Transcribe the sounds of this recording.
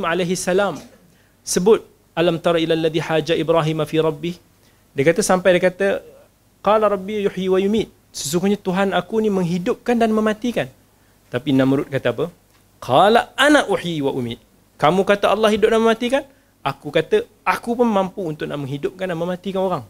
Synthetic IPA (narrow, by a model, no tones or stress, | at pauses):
mʕalajɦiasːalam | səbʊt̪̚ | ʔalamt̪ɑɾˤɑilalːaðiħaːd͡ʒaʔibɾaɦimafiɾˤɑbːɪh | dajkat̪əsampajdajkat̪ə | qɑlaɾˤɑbːijʊħjiwajumit̪̚ | səs̬uŋɡʊhɲat̪uɦanakunimə̃ŋɦidʊp̚kandanməmãt̪ikan | t̪apinãmɾʊt̪̚kat̪aapə | qʰɑlaʔanaʔuħjiwaʔumɪ̰t̪̚ | kamũkat̪əʔɑlːɑhidʊp̚naʔmə̃mat̪ikan | ʔakukat̪ə | akupʊnmampuunt̪ʊʔ̚naʔmə̃ŋɦidʊp̚kandanməmat̪ikanoɾaŋ